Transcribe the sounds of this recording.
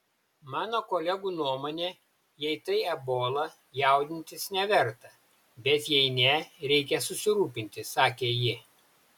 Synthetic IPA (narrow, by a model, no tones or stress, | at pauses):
mɑːnoːkoːlʲɛɡuːnuɔmoːnʲeː | jɛɪt̪ɐɪɛboːlˠɐ | jæˑʊd̪ʲɪnʲt̪ʲɪsnʲɛʋʲɛɾt̪ɐ | bʲɛt̪jɛɪnʲɛɾʲɛɪkʲɛsʊsʲɪɾuːpʲɪnʲt̪ʲɪsɑːkʲeːjɪ